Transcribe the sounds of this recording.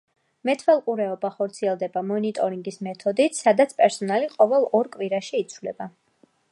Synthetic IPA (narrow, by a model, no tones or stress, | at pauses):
mɛt̪ʰvɛlˠqʼuɾɛɔbaχɔɾt̪sʰiɛlˠd̪ɛbamɔnit̪ʼɔɾiŋɡismɛt̪ʰɔd̪it̪ʰsad̪at̪sʰpʼɛɾsɔnaliqʼɔvɛlˠɔɾkʼwiɾaʃiːt̪sʰvlɛ̰ba